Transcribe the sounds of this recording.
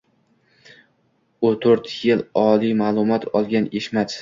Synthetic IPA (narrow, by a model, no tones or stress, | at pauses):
ʊt̪ʰoɾt̪jɪlɒlijmaːlˠʊmɒt̪ʰɒlˠɡʲaneʃmat̪